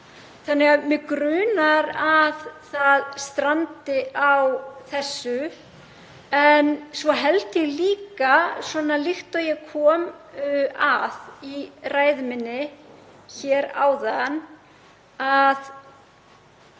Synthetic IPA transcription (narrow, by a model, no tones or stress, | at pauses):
θanːɛɣamɛkɾʏːnaɾaðθaðst̪ɾant̪ɪʔawθɛsːʏ | ɛnsvɔɦɛlt̪jɛɣliːkasvɔːnalɪxt̪ɔjɛkʰɔːm | aðiraːjðɪmɪnːɪ | çɛːɾa̰ːwðan | að